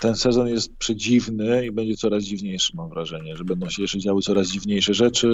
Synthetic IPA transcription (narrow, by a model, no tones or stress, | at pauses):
t̪ɛnsɛzɔnjɛst̪̚pʂɛd͡ʑivnɘibɛɲd͡ʑɛt̪sɔɾazd͡ʑivɲejʂɘ̥mamvɾaʐɛɲɛʐɛbɛnd̪ɔ̃w̃ɕɛjɛʂt͡ʂɛd͡ʑawɘt̪sɔɾazd͡ʑivɲejʂɛʐɛt͡ʂɘ